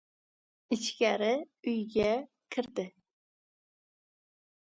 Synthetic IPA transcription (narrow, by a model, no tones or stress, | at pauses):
it͡ʃkʲɛɾɪyjɡʲɛ | kʲʰɪɾd̪ɪ